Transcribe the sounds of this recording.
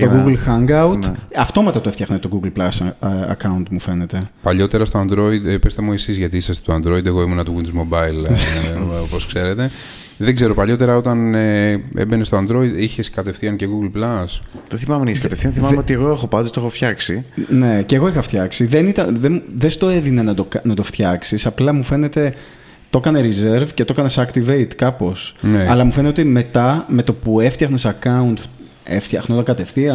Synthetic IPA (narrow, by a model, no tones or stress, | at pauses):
oɡuɡlxɐŋɡɐut̪ɐft̪o̞mɐt̪ɐt̪oeft̪çɐxnɐt̪o̞ɡuɡlplɐsɐ̰kɐunt̪mufe̞net̪e̞pɐʎo̞t̪e̞ɾɐst̪oɐnd̪ɾo̞id̪pest̪emuisizʝɐt̪iisɐst̪et̪oɐnd̪ɾo̞id̪eɣo̞imunɐt̪uɣint̪uzmobɐil | oposkse̞ɾe̞t̪e̞ | ðeɡze̞ɾo̞pɐʎo̞t̪e̞ɾɐo̞t̪ɐneḛbenest̪oɐnd̪ɾo̞id̪içeskɐt̪e̞fθiɐnceɣuɡlplɐsðeθimɐmeniskɐt̪efθiɐnθimɐmeot̪ieɣo̞exo̞pɐt̪est̪oxoftçɐksine̞ceɣo̞ixɐft̪çɐksiðenit̪ɐnðeðest̪o̞eðinenɐt̪okɐnɐt̪o̞ft̪çɐksisɐplɐmufe̞ne̞t̪e̞ | t̪o̞kɐne̞ɾizeɾvce̞t̪o̞kɐnesɐkt̪ivejt̪kɐpo̞sneɐlɐmufnt̪eot̪ime̞t̪ɐme̞t̪o̞pue̞ft̪çɐxnesɐkɐunt̪ | ḛft̪çɐxnot̪ɐŋkɐt̪e̞fθiɐn